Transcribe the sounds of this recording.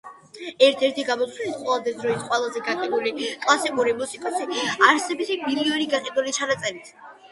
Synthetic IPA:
ɛɾt̪ʰɛɾt̪ʰiɡamɔt̪swinit̪qʼwɛlˠad̪ɛd̪ɾɔisqʼwɛlˠazɛɡaqʼɛd̪ulikʼlˠasikʼuɾimusikʼɔsiaɾsɛbit̪ʰibiliɛɾiɡaqʼɛd̪ulit͡ʃʰanat̪sʼɛɾit̪ʰ

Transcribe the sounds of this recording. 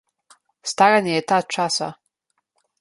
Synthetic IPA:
st̪aɾanejɛt̪at̪̚ʈ͡ʂʰasa̰

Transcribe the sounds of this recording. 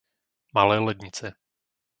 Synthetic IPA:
malɛːlɛd̪ɲɪt͡sɛ

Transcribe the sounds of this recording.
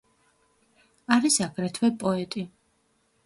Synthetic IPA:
aɾisaɡɾɛt̪ʰwɛpʼɔɛt̪ʼi

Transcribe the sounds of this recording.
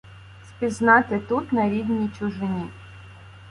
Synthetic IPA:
spʲiznɑt̪ɪt̪ut̪nɐɾʲiwnʲijt͡ʃʊʒɪnʲi

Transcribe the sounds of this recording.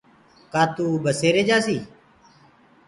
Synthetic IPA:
kaːt̪uːbəseːɾeːd͡ʒaːsiː

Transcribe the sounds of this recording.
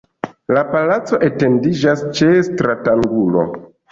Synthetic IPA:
lapalat͡so̞ʔe̞te̞ndid͡ʒast͡ʃe̞stɾataŋɡulo̞̰

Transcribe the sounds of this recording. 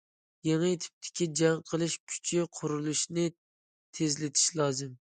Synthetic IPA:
jɛŋat̪ʰɪ̥p̚t̪ʰɪ̥kʲɪd͡ʒaŋqʰɨlˠɪʃkʲʰy̥t͡ʃʰɪqʰʊɾɨlˠɪʃnɪ | t̪ʰezlɪt̪ʰɪ̥ʃlˠɑzɨm

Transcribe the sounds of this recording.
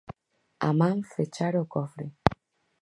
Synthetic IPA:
a̰mam̩fet͡ʃaɾɔkɔfɾe

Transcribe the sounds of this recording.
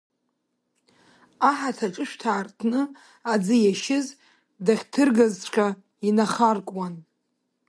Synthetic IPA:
aħatʰaʈ͡ʂʼɨʃᶣtʰaːrtʰnɨ | ad͡zɨjaʃɪz | daχʲtʰɨrɡazt͡ɕʷʰqʲa | inaχarkʷʼwan

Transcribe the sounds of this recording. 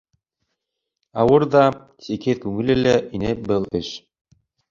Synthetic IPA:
ɑwɤɾðɑ | sikɘðkʉŋɘ̆lɘlæʔinɘbɤlˠɘʃ

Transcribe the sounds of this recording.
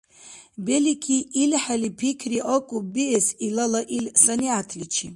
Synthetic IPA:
belikʲʰiilħalipʰikʰriʔokʼubiesilalaʔilsaniatʰlit͡ʃʰi

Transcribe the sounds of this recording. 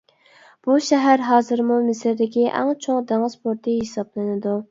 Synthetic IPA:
b̥uʃɛɦæɾɦɑːzɨɾmumɪsɾd̪ɪkʲiʔæ̰ŋt͡ʃʰoŋd̪æŋɨzpʰoɾt̪ʰɨɦisɑblˠɨnɪd̪u

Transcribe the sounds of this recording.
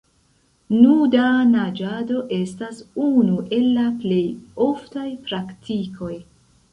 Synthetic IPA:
nudanad͡ʒado̞ʔe̞stasunuʔe̞lːaple̞jo̞ftajpɾaktikʰo̞j

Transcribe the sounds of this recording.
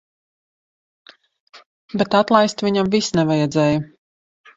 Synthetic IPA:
bet̪at̪lˠajst̪vʲiɲamvisnɛvajɛd̪zɛːju

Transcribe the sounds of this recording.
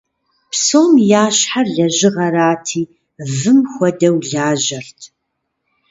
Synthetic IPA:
psoːmjaːɕħarɮɐʑɪʁɐɾaːtʰiː | vɨmxʷɐdɐwɮaːʑɐrtʰ

